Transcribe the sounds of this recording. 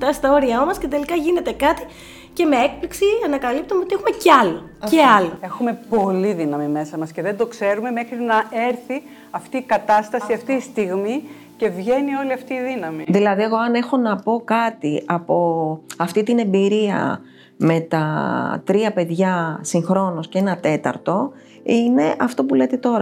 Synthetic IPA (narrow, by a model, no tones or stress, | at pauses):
t̪ɐst̪ɐo̞ɾiɐmɐsce̞t̪̬e̞likɐʝine̞t̪e̞kɐt̪i | ce̞me̞e̞k̚pliksiɐnɐkɐlip̚t̪umeot̪iexumeceɐlice̞ɐlie̞xume̞po̞liðinɐmime̞sɐmɐsce̞ðe̞nd̪o̞kse̞ɾume̞me̞xɾinɐe̞ɾθi | ɐft̪iːkɐt̪ɐst̪ɐsiɐft̪iːst̪iɣmi | ce̞vʝe̞nio̞liɐft̪iːðinɐmiðilɐðie̞ɣo̞ɐne̞xo̞nɐpo̞kɐt̪iɐpo̞ɐft̪it̪ine̞mbiɾiɐ̰ | me̞t̪ɐt̪ɾiɐpe̞ðʝɐsiŋxɾo̞noscee̞nɐt̪e̞t̪ɐ̰ɾt̪o̞ | ine̞ʔɐft̪o̞pule̞t̪et̪o̞ɾɐ